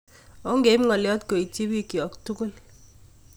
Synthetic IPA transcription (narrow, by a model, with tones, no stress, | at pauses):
o˨˦ŋɡe˨˦m˦ŋɔ˨ljɔ˦t̚ko˨i˨ti˦bi˦kjɔ˨ktu˦ko˦l